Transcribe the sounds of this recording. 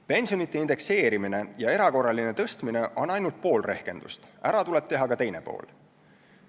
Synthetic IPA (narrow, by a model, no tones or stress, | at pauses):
pe̞nʲsio̞nit̪ːˑe̞ind̪e̞kse̞ːɾimine̞jɑe̞ɾɑko̞rːɑline̞t̪ɤ̞st̪mine̞ʔo̞nɑjnult̪̚po̞ːlre̞hke̞̰nd̪̥ust̪æɾɑt̪ule̞p̚t̪e̞ɦɑkɑt̪e̞jne̞po̞̰ːl